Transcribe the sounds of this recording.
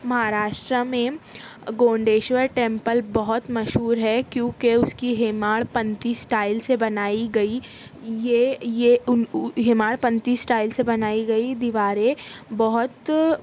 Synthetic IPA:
mɐɦaɾaːʃʈɾəmẽ | ɡõːɳɖeːʃʋəɾʈẽːmpəlbɐɦʊt̪mɐʃɦuːɾɦɛkjõːkeʊskiɦeːmaːɭpɐ̃nt̪iːsʈaːɪlsebɐnaːiɡɐi | jeje | ɦemaːɭpɐ̃nt̪iːsʈaːɪlsebɐnaːiɡɐid̪iʋaːɾẽbɐɦʊt̪

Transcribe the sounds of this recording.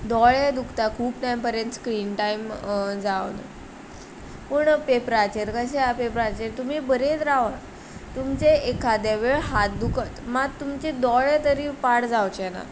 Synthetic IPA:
d̪ɔɭed̪ukʰt̪akʰuːp̚ʈajmpəɾjənt̪skɾiːnʈaimd͡zaʋnə̰ | pəɳpepɾat͡ɕeɾkəɕeapepɾat͡ɕeɾt̪um̤ibəɾet̪ɾaʋa | t̪umt͡seekʰad̪jaʋeɭɦat̪̚d̪ukʰət̪maɡt̪umt͡ɕed̪ɔɭet̪əɾiːpaɽd͡zawt͡ɕɛna̰

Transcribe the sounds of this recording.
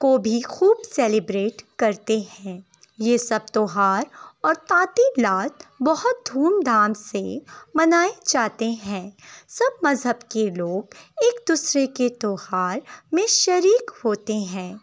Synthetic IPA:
kobʱixuːbsɛːlɪbɾeːʈkɐɾt̪eɦɛ̃ː | jesɐb̚t̪ɔːɦaːɾɔːɾt̪ãːt̪ilaːt̪bɐɦʊt̪̚d̪ʱuːmd̪ʱaːmsemɐnaːed͡ʒaːt̪eɦɛ̃ːsɐb̚mɐzɦəbkeloːɡeːkd̪uːsɾeket̪oːhaːɾmẽʃɐɾiːkhoːt̪eɦɛ̃ː

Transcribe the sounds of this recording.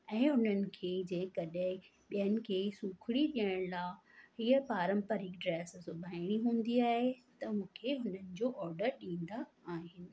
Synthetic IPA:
ɛ̃ːʊn̤ənɪ̆kʰeːd͡ʑɛ̃ːkɐɗɪ̃ | ɓijənɪ̆kʰeːsuːkʰɪɽiɗiəɽ̃laːɦiːəpaːɾə̃mpəɾɪkɖɾɛːssʊbʱaːɪɽ̃iɦũːn̆d̪iaːɦet̪ɐmũːkʰeɦʊnənɪ̆d͡ʑoːʔɔːɾɖəɾɗĩːnd̪aaːɦɪnɪ̆

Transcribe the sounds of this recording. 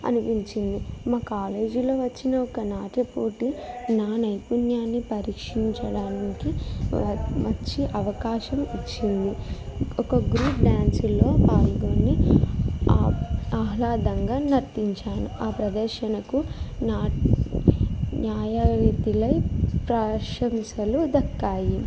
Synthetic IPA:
ɐ̰nupiɲt͡ʃind̪imaːkaːle̞ːd͡ʒilo̞ːʋɐt͡ʃːinɐɔkɐnaːʈepoːʈinaːnɐjpunjaːnːipɐɾiːkʂiɲt͡ʃɐɽaːniki | ʋɐt͡ʃːiʔɐʋɐkaːʃɐmit͡ʃːind̪iɔkɐɡɾuːpɖaːnsulo̞ːpaːlɡoːnːi | aːɦlaːd̪ɐŋɡaːnɐɾt̪iɲt͡ʃaːnuaːpɾɐd̪ɐɾʃɐnɐkunaː | njaːjɐʋit̪ilɐjpɾaːʂɐmsɐlud̪ɐkːaːji

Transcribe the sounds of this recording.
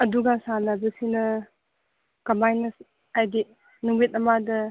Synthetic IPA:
ɐduɡasanabɐsinɐ | kɐmajnɐ | ajdi | numit̚ɐmadɐ

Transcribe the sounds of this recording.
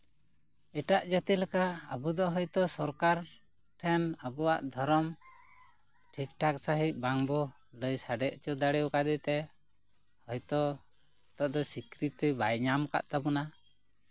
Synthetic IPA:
ɛʈaʔd͡ʒɔt̪ɛlɛkaəbud̪ɔɦɔjt̪ɔsɔɾkaɾ | ʈʰɛnabɔwa̰ʔd̪ʱɔɾɔm | ʈʰikʈʰaksaɦic̚baŋbɔləjsaɖɛʔt͡ʃɔd̪aɽɛwkad̪ɛt̪ɛ | hɔjt̪ɔ | t̪ɔʔd̪ɔsikɾit̪ibajɲamka̰ʔt̪abuna

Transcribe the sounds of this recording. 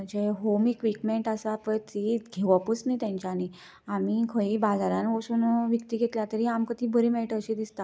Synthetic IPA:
əd͡ʑeɦomikʋikmeɳʈasapət̪iɡʱeʋaput͡snat̪jãɲt͡ɕani | amikʰəibad͡zaɾãnʋoɕunʋjəkt̪iːɡʱet̪ljat̪əɾiːamkət̪iːbəɾimeɭʈəɕid̪ist̪a

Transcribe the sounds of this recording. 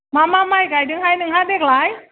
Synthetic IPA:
mamamajɡajdɯŋɦajnɯŋɦadɛklaj

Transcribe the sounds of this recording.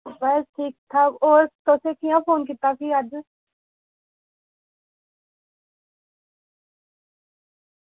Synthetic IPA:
bəsʈʰiːk̚t̪ʰaːoːɾt̪osekijãpʰoːnkit̪akʰiːəd͡ʒ

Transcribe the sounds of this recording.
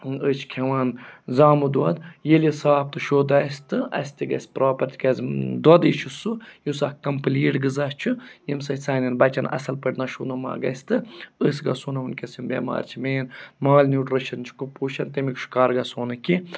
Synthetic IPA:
ət͡ʃʰkʲʰeʋaːnzaːmud̪wɐd̪jelisaːp̚t̪ɨʃoːd̪ɐsʲt̪ɨɐ̰sʲt̪iɡɐ̰sʲpɾaːpɐɾt̪ʰʲikɐzd̪wɐd̪it͡ʃʰusujusaːkɐmpliːʈɡɨzast͡ʃʰujimsɐt͡saːnʲɐnbɐt͡ʃɐnɐ̰sɐlpəʈʲnɐʃunɐma̰ːɡɐ̰sʲt̪ɨəsɡɐ̰suːnɐunkʲɐsimbʲḛma̰ːɾʲt͡ʃʰimeːnmaːlʲnʲjuːʈɾɨʃɐnt͡ʃʰi̥kupuːʃɐnt̪ɐmikʲʃkaːɾɡɐsoːnɨkʲi

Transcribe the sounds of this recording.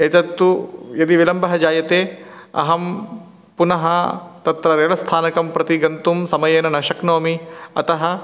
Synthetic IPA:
eːt͡ʃɐt̪ːujɐd̪iʋilɐmbɐɦɐd͡ʒaːjɐt̪eːɐ̰ɦɐm | punɐɦɐt̪ɐt̪ɾɐɾeːɭɐst̪ʰaːnɐkɐmpɾɐt̪iɡɐnt̪umsɐmɐjeːnɐnɐʃɐknoːmiɐt̪ɐɦɐ̆

